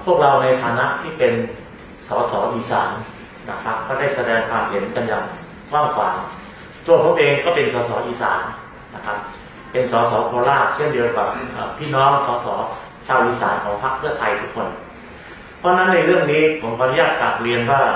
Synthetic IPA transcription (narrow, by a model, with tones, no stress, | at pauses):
pʰu˥˩ək̚ɾa˧wna˧jt̪ʰaː˨˩˦na˦˥ʔt̪ʰiː˥˩pe˧n | sɔː˩˦sɔː˩˦ʔiː˧sa̰ː˩˦n | na̰˦˧˥kʰa˦˥p̚kʰːɔː˥˩daː˥˩jsa˧dɛː˧ŋkʰwaː˧mhe˩˦nka˧nja̰ː˨˩ŋ | kwaː˥˩ŋkʰwa̰ː˨˩˦ŋ | t̪u˧˩əpʰu˥˩k̚ʔeː˧ŋkɔː˥˩pe˧nsɔː˩˦sɔː˩˦ʔiː˧sa̰ː˩˦nː | a˦˥˩kʰa˦˥p̚ | pe˧nsɔː˩˦sɔː˩˦kʰɔː˧laː˥˩t͡ɕʰɯ˥˩əndi˧ə˧wka˨˩p̚ʔə̰ː˧˩p̪ʰiː˥˩nɔː˦˥ŋsɔː˨˩˦sɔ̰ː˩˦ | t͡ɕʰaː˧wʔiː˧sa̰ː˩˦nkʰɔː˩˦ŋpʰa˦˥k̚pʰɯ˥˩ɐt̪ʰa˧jt̪ʰu˦˥kʰːo˧n | pʰɔ˦˥na˦˥nːa˧jɾɯ˥˩əŋniː˦˥pʰo˩˦mkʰa˧nu˦jaː˥˩t̪̚ka˨˩p̚ɾi˧ənwaː˥˩